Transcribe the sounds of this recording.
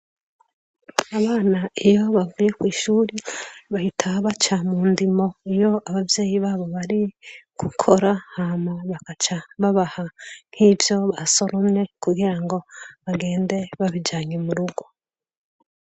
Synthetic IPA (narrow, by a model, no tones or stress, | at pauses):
aβaːnaijo̞βavuje̞kwiːʃuːɾiβahitʰaβat͡ʃamuːndimo̞ijo̞aβavje̞ːjiβaːβo̞βaɾiɡ̥ukʰo̞ɾahamweβakat͡ʃaβaβahan̥hivjo̞βaso̞ɾumne̞kuɡiɾaŋɡo̞βaɡe̞ːnde̞βaβid͡ʒaːɲemuɾuɡo̞